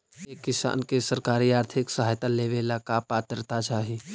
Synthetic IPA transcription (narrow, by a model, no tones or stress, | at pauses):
eːkːɪsa̰ːnkesəɾkaːɾiaːɾt̪ʰɪksɐɦaːjt̪aleːʋelaːkapaːt̪əɾt̪at͡ʃaːɦi